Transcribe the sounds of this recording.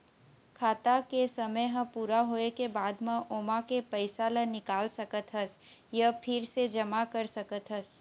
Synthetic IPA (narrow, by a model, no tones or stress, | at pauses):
kʰaːt̪akesɐməjɦɐ̃puːɾaɦoːekebaːd̪mɐ̃ʔoːmakepɐɪsalənɪkaːlsɐkət̪ɦɐs | jəpʰɪɾsed͡ʒɐmakɐɾsɐkət̪ɦɐs